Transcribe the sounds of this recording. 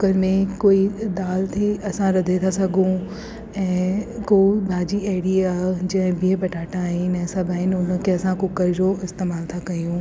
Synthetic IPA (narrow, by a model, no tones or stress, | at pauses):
kʊkəɾmẽkoːid̪aːlt̪ʰeɐsãɾɐd̪ʱet̪ʰasɐɡʱũ | ɛ̃ːkobʱaːd͡ʑieːɽiad͡ʑɐ̃ɦɪ̃bʱiɦə̃bɐʈaːʈãːɦɪnɛ̃ːsɐbʱaːɦɪnʊn̆kẽɦsãkʊkəɾd͡ʑoɪst̪eːmaːlt̪ʰakɐjũ